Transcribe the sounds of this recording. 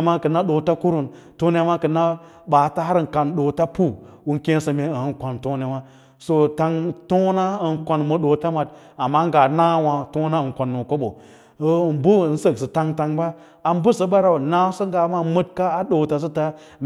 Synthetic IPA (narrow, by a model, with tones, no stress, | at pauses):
ma˦kə˨nːa˦ɗo˨ta˦ku˦ɾu˨n | to˦ne˦a˦ma˦kɨ˨nːa˦ | baː˨ta˦ɦa˦ɾŋ˨ka˨nɗoː˨ta˦pu˦ | wu˨˦nkẽ˦sə˨me˨ə˨˦nkʷa˨nto˦ne˨ma˦ | so˦ta˨ŋto˦na˦ə˨nkʷa˨nmə˨ɗo˨ta˦ma˨t | a˨mːa˦ŋ˦ɡa˨na˦wa˨to˦na˦ɨ˨ŋ˨kʷa˨nːo˨ko˦ɓo˨˦˨ | nbu˦˨n̩˦sə˨ksə˨ta˨ŋta˨ŋba˦ | a˨m˦bu˦sə˨ba˦ɾa˨wna˦sə˦ŋ˦ɡa˨˦ma˦mə˦t̚ka˦a˦ɗo˨ta˨s̬ə˦ta˦m